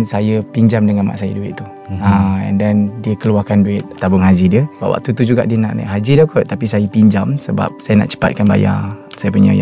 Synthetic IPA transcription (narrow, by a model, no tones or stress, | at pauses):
sajəpiɲd͡ʒamdəŋãnma̰ʔsajə̰duɪ̰t̪ʔ̚t̪u | əɛ̰ndɛndiəkəluakanduɪt̪̚t̪abʊŋɦad͡ʒidiəsəbap̚wʔa̰ʔ̚t̪ut̪ud͡ʒuɡa̰ʔdiəna̰ʔna̰ʔɦad͡ʒidakot̪apisajəpiɲd͡ʒamsəba̰p̚sajəna̰ʔt͡ʃə̥pa̰t̪̚kanba̰ja̰ | sajəpuɲə̰ja